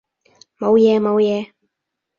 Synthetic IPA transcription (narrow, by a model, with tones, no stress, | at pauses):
mo˨˧wjɛː˨˧mo˨˧wjɛː˨˧